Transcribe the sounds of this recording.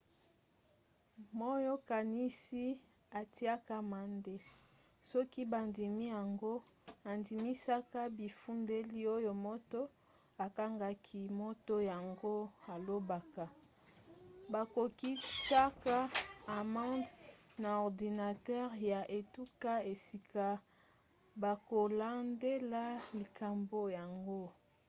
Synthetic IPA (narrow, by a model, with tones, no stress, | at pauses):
mɔ˦jɔ˦ka˨ni˦si˦ | a˨ti˦a˦ka˦ma˨nde˦ | sɔ˦ki˦ba˨ndi˨mi˦ja˨ŋɡo˦a˨ndi˨mi˦sa˦ka˦bi˨fu˦nde˦li˦o˦jo˨mo˦to˦ | a˨ka˦ŋɡa˦kʰi˦mo˦to˦ja˨ŋɡo˦a˨lo˦ba˨ka˨ | ba˨ko˨ki˦sa˦ka˦a˨mã˦dna˨ɔ˨ʁdi˨na˨tɛ˦ʁja˨ʔe˨tu˦ka˦e˨si˨kʰa˨ | ba˨ko˨la˦nde˦la˦li˨ka˨mbo˨ja˨ŋɡo˦